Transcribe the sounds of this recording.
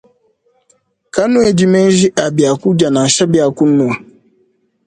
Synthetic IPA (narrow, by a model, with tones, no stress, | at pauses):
ka˦nũ˦e˨d͡ʒi˨me˦n̩˦ʒi˦ʔa˨bi˨a˨ku˦d͡ʒa˨na˨ʃa˦bi˦a˨ku˦nːu˨a˨